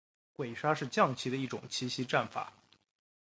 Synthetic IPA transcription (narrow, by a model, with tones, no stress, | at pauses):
kwe˨˩ɪʂa˥ʂɻ̩˥˧t͡ɕjɑ˥˧ŋt͡ɕʰi˧˥d̪ə˧i˥˩ʈ͡ʂʊ̰˨˩ŋt͡ɕʰi˧˥ɕi˧˥ʈ͡ʂa˥˩nfa̰˨˩˦